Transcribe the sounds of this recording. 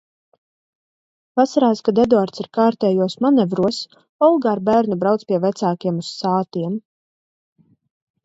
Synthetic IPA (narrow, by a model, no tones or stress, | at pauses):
vasaɾaːskad̪ɛd̪uaɾt̪siɾkaːɾt̪ɛːjuɔsmanɛvɾuɔs | ɔlˠɡaɾbæːɾnubɾawt̪spʲiɛvæt̪saːkiɛmusːaːt̪iɛm